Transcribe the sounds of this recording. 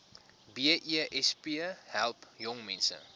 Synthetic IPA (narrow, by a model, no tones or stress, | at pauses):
biəʔiəʔɛspiəhælˠpjɔŋmɛnsə̰